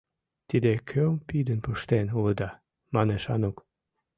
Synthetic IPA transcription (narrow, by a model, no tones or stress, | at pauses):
t̪id̪ekʰøompid̪ənpəʃt̪enuləd̪ɑ | mɑneʃɑ̰nok